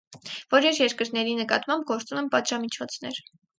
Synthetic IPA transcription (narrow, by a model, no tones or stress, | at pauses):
v̥ɔɾjɛɾjɛɾkəɾnɛɾinəkɑ̰t̪mɑmb̚ɡɔɾt͡sumɛmpɑt̪ʒɑmit͡ʃʰɔt͡sʰnɛɾ